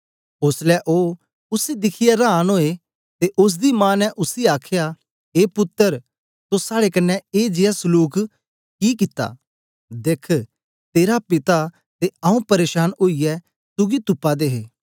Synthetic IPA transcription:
ʊslɛʔoː | ʊsed̪ɪkʰɪjɛɾaːnɦoːe | t̪eʔʊs̬d̪imãːnɛʔʊsiaːkʰɪja | eːpʊt̪ːəɾ | sosaːɽekɐnːɛeːd͡ʒɪjasʊluːk | kiːkɪt̪ːa̰ː | d̪eːkʰ | t̪eːɾapɪt̪a | t̪eɐũpɐɾeːʃaːnoːijɛ | sʊɡit̪ʊpːad̪eːɦeː

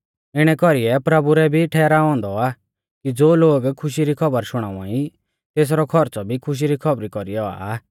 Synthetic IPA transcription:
ɪɽ̃ɛkɔɾiɛpɾɐbuɾɛbʱiʈʰɛːɾaɔ̃ːnd̪ɔa | kid͡zoːloːɡkʰʊʃiɾikʰɔbəɾʃʊɽ̃a̰ːʋãĩ | t̪eːs̬ɾɔkʰɔɾt͡sɔbʱikʰʊʃ̬iɾikʰɔbɾikɔɾijɔa̰

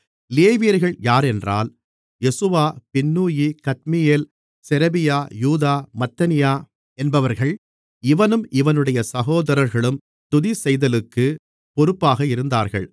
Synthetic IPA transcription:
leːʋiːɐɾɣɐɭjaːɾɛndra̰ːl | jɛsɯʋaːpɪnːuːjikɐt̪̚mɪjeːl | sɛɾɐbɪjaːjuːðaːmɐt̪ːɐnɪjaː | ɛnbɐʋɐɾɣɐɭ | ɪʋɐnɯmʔɪʋɐnɯɽɐjɐsɐɣoːðɐɾɐɾɣɐɭɯm | t̪ʊðisɛjðɐlɯkːɯ | pɔɾɯpːaːɣɐɪɾɯnd̪aːɾɣɐ̰ɭ

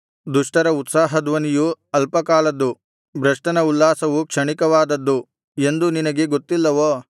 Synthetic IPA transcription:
d̪uʂʈɐɾɐut̪saːɦɐd̪ʋɐnijuɐlpɐkaːlɐd̪ːu | bɾɐʂʈɐnɐulːaːsɐʋukʂɐɳikɐʋaːd̪ɐd̪ːu | e̞nd̪uninɐɡe̞ɡot̪ːilːɐʋoː

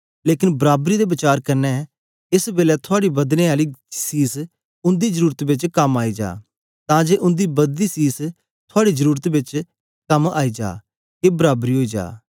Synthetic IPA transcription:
leːkɪnbəɾaːbɾiːd̪eːbɪt͡ʃaːɾkɐɾnɛ | ɪsbeːlɛːt̪ʰʊaːɽibɐd̪nẽːaːliːsiːs | ʊ̃nd̪iːzəɾuːɾət̪bɪt͡ʃkɐmaːid͡ʒa̰ː | t̪ãːd͡ʒeːʔʊ̃nd̪iːbɐd̪isiːs | t̪ʰʊaːɽizəɾuːɾət̪bɪt͡ʃ | kɐmaːiːd͡ʒa̰ː | kebɐɾaːbɾiːɦoːid͡ʒa̰ː

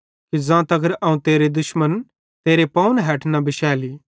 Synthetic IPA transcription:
kid͡zãːt̪ɐɡəɾɐːũt̪eːɾed̪ʊʃmən | t̪eːɾepɐːnɦɛːʈʰnɐbɪʃɛːliː

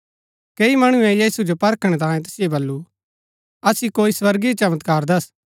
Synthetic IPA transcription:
keːimɐɽ̃ũẽjiːsud͡ʒopɐɾkʰɽ̃et̪̬ãːẽt̪ʊsɪjebɐlːu | ɐsikoːiswɐɾɡit͡ʃɐmət̪kaːɾd̪ɐs

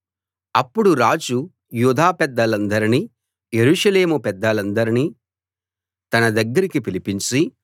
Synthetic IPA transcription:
ɐpːuɽuɾaːd͡ʒu | juːd̪ʱaːpɛd̪ːɐlɐnd̪ɐɾini | jeɾuːʂɐle̞ːmupɛd̪ːɐlɐnd̪ɐɾini | t̪ɐnɐd̪ɐɡːɐɾikipilipiɲt͡ʃi

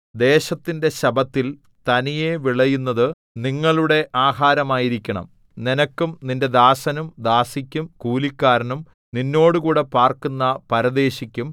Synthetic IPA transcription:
d̪e̞ːɕɐt̪ːinde̞ɕɐbɐt̪ːil | t̪ɐnije̞ʋiɭɐjunːɐðɨ | niŋːɐɭuɽe̞ʔaːɦaːɾɐmaːjiɾikʲːɐɳɐ̰m | ninɐkːumninde̞d̪aːsɐnumd̪aːsikʲːumkuːlikʲːaːɾɐnum | ninːo̞ːɽukuːɽe̞paːrkunːɐpɐɾɐd̪e̞ːɕikʲːum

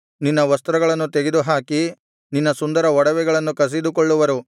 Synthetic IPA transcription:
ninːɐʋɐst̪ɾɐɡɐɭɐnːut̪eɡed̪uɦaːki | ninːɐsund̪ɐɾɐɔɽɐʋɛɡɐɭɐnːukɐs̬id̪ukɔɭːuʋɐɾu

